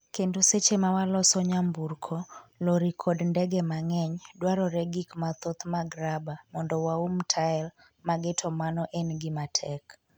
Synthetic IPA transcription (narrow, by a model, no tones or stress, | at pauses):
kendoset͡ʃemawalɔsɔɲamburkʰɔloɾikʰɔdndɛɡɛmaŋɛɲdwaɾɔɾɛɡikmat̪ɔt̪maɡɾabamɔndɔwaumtʰaɛl | maɡɪtʰɔmanɔʔɛnɡɪmatʰɛk